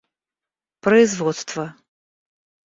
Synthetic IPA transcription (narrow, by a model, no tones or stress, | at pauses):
pɾɐizvɔt̪st̪vɐ